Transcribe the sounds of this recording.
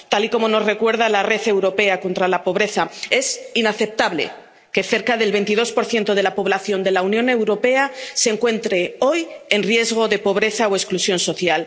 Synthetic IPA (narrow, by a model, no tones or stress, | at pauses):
t̪aliko̞mo̞no̞zre̞kwe̞ɾðalare̞θe̞wɾo̞pe̞ako̞nt̪ɾalapo̞βɾe̞θae̞sinaθe̞p̚t̪aβlḛ | ke̞θe̞ɾkaðe̞lβe̞nt̪iðo̞spo̞ɾθje̞nt̪o̞ð̞e̞lapo̞β̞laθjo̞nd̪e̞launjõ̞ne̞wɾo̞pe̞ase̞ŋkwe̞nt̪ɾe̞o̞je̞nrje̞zɣ̞o̞ðe̞po̞β̞ɾe̞θaoesklusjo̞nso̞θjal